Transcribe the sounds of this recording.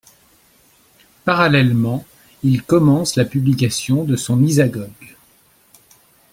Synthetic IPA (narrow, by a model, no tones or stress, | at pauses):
paʁalɛlmɑ̃ | ilkɔmɑ̃slapyblikasjɔ̃d̪əsɔ̃nizaɡɔɡ